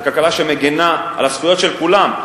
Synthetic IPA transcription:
kalkalaʃemeɡenaa̰lasχujo̞tʃe̞lkulam

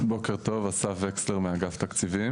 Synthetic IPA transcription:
bo̞ke̞ʁto̞vasafveksleʁmeaɡaft̪akt͡sivim

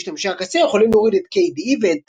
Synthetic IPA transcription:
ʃt̪amʃakasejeχolimlooʁid̪et̪kejd̪ived̪

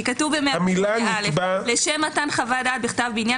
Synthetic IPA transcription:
ikatuvbemeaamilaalebaleʃemat̪anχavad̪at̪̚biχt̪avbinja

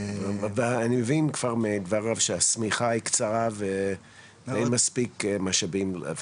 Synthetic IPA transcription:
vanimevinkv̥aʁmed̪vaʁavʃeasmiχaikt͡saʁave | ejnmaspikmaʃabim

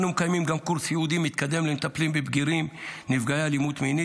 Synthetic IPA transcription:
numekajmimɡamkuɾsjeud̪imit̪kad̪e̞mlemet̪aplimbebɡiʁimnivɡajalimut̪mini

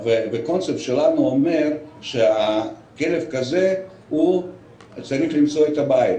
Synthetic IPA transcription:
vebekont͡ssept̪ʃelanuomeɾʃea | kelefkaze | hu | t͡saɾiχlimt͡so̞et̪abajit̪

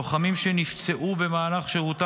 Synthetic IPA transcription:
χamimʃenift͡se̞ʔube̞maːlaχʃeʁuta

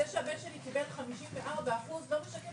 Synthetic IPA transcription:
eʃeabenʃelikibelχamiʃimveʔaʁbaaχuzlo̞meʃake

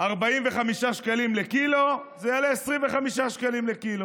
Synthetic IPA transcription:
aʁbaimveχamiʃaʃkalimlekilo̞zejaleːsʁimveχamiʃaʃkalimlekilo̞

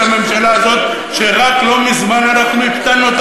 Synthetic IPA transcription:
ame̞mʃalaːzo̞t̪ | ʃe̞ʁaklo̞mizmananaχnuikt̪anːot̪

